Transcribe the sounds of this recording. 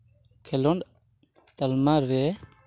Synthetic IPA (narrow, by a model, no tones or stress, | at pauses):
kʰelɔn | t̪almaɾe